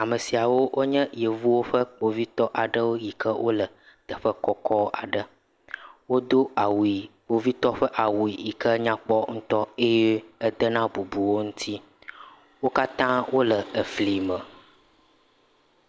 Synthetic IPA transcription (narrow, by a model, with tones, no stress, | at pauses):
a˨mə˨si˨a˨wo˦wʔo˦ɲɛ̃˦jɛ˨vu˦wo˦ɸə˦k͡po˨vi˦t̪ɔ˦ʔa˨ɖə˦wo˦ji˨kʰə˦wʔo̰˦lə˨ | t̪ə˨ɸə˦kɔ˦kʰɔ˦a̰˨ɖə˨ | wo˦d̪o˦a˨wi˨k͡po˨vi˦t̪ɔ˦ɸə˦ʔa˨wu˨i˨ji˨kʰə˦ɲã˦k͡pɔ˦ŋ̩˦t̪ɔ˦e˦jɛ˦ə˦d̪ə˦nã˦bu˨bu˨wo˦ŋũ˦t̪ʰi˦ | wo˦ka˦t̪ã˦wo˦lə˨ə˨fli˨mə̃˨